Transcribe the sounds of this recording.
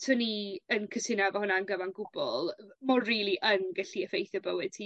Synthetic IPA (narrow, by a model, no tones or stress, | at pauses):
tʰʊniənkʰəsɪnavɔhʊnaənɡəvanɡʊbɔ̰lˠmɔriːlˠiʔənɡaɬiəfejθjɔbəwɨd̥̚tʰi